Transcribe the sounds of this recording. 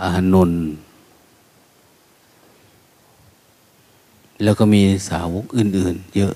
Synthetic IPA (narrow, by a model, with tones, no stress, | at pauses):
ʔa˧ha˧no˧n | lɛː˧˩wkɔː˧˩miː˧sa̰ː˨˦wo˧˥k̚ʔɯː˨˩nʔɯː˨˩njɤ˦˥ʔ